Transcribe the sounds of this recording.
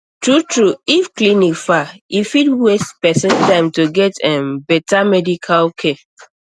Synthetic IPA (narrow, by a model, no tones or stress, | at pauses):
tɹutɹuifklinikfaifidwestpɛsɛ̃ntãɪ̃mtoɡɛtʰɛ̃mbɛtamɛdikʰalkʰe